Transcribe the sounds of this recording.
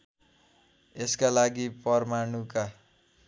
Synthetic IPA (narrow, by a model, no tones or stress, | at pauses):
eskalaɡipʌrmanuka